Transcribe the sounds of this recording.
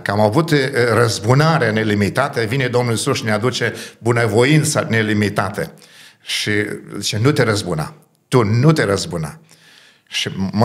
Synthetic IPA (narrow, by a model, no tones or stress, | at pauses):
kəamavut̪rəzbunaɾeane̞limit̪at̪evine̞d̪o̞mnulsuʃinead̪ut͡ʃe̞bunəvo̞int̪sane̞limit̪at̪ḛ | ʃizit͡ʃenut̪eɾəzbuna̰ | t̪unut̪e̞ɾəzbunə̰ | ʃim